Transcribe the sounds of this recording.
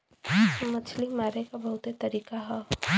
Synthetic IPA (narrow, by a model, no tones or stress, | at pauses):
mɐt͡ʃʰlimaːɾekabɐɦʊt̪et̪ɐɾiːkaɦɛ